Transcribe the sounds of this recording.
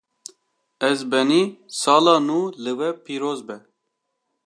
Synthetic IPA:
ɛzbɛniːsɑːlɑːnuːlɨwɛpiːɾoːzbɛ

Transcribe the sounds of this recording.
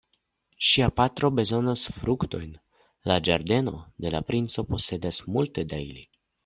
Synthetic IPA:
ʃiapatɾo̞be̞zo̞nasfɾukto̞jn | lad͡ʒaɾde̞no̞de̞lapɾint͡so̞po̞se̞dasmulte̞daili

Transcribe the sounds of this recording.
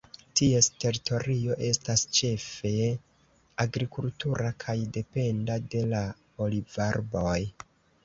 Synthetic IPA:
tie̞ste̞ɾitʰo̞ɾio̞ʔe̞stast͡ʃe̞fe̞ | aɡɾikultuɾakʰajde̞pe̞ndade̞la | olivaɾbo̞j

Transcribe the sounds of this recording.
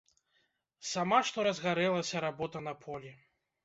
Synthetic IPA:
samaʂt̪ɔɾɐzɣaɾɛlˠɐsʲɐɾabɔt̪ɐn̪ɐpʰɔlʲi

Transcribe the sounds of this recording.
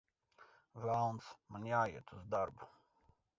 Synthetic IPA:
vawnsmanjaːjiɛt̪uzd̪aɾbu

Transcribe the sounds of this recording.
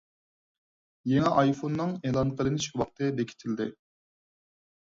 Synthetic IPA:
jeŋɛʔɑjfonːɨŋeːlˠɑnqʰəlˠɨnɪʃwɑqt̪ʰɨd̪ekʲʰi̥t̪ʰɪld̪ɪ

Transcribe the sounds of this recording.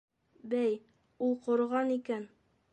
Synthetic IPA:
bæj | ulˠqŏɾʁɑnikæn

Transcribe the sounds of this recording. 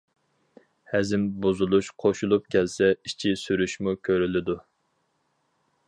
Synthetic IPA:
hɛzɪmbuzulˠuʃqʰoʃulˠup̚kʲʰɛlsɛit͡ʃʰisyɾyʃmukʲʰøɾylɪd̪u

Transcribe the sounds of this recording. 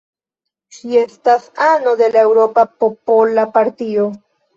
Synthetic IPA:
ʃiest̪asanod̪e̞lae̞wɾo̞papopolapaɾt̪io

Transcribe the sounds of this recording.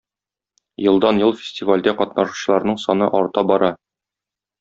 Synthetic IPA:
jɤ̆lˠd̪ɑnjɤlˠfʲɪ̥sʲtʲivalʲd̪æqɒt̪nɑʃu̥ɕɤ̆lˠɑɾnɤɴsɒnɤʔɒɾt̪ɑbɒɾɑ

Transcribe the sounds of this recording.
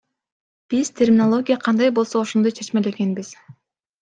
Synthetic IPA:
b̥iz̥t̪ʰʲermʲɪnolˠo̞ɡʲijɑqʰɑnd̪ɑjbo̞lˠsooʃond̪ojt͡ʃʰe̞t͡ʃmele̞ɡe̞nbiz̥

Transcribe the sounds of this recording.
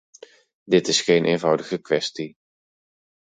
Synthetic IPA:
dɪtɪsχejnʔenvʌwdəɣəkʋɛsti

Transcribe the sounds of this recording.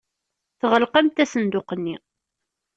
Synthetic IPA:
θʁəlqæmt̪æsənd̪ʊqənːi

